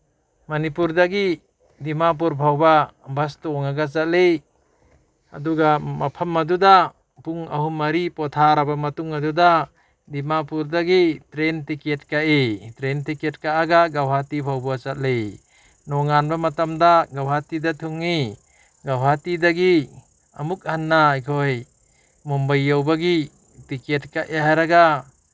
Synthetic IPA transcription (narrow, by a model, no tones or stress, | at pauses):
manipuɾd̪aɡi | d̪imap̬uɾbʱawbabastuɔŋaɡat͡ʃat̚lej | a̰d̪uɡamapʰamːad̪ud̪a | puŋaɦumɐɾipɔt̪ʰaɾabamɐtuŋad̪uda | d̪imapuɾd̪aɡitɾentiket̚kaʔetɾentiket̚kaʔaɡaɡawɦatipʰawbuat͡ʃat̚lej | nɔŋanbamɐtamdaɡawɦatidat̪ʰuŋːi | ɡawɦatidaɡi | ɐmuk̚hanːaajkʰoj | mɔmbajːawbaɡi | tiket̚kaʔeɦaɾaɡa